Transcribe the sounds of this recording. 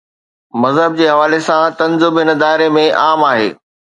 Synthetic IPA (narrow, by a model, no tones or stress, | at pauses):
mɐzɦəb̚d͡ʑeːɦɐʋaːlesãt̪ɐ̃nzʊmɪnə̆d̪aːɪɾemẽʔaːmaːɦḛː